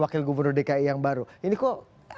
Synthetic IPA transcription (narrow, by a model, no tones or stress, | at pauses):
wakɪlɡubərnʊrdekaijaŋbaɾuinikɔ